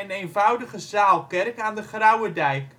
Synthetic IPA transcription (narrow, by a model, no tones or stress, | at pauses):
ənejnvʌwdəχəzaːlˠkɛrkaːndəχrɑwədɛjk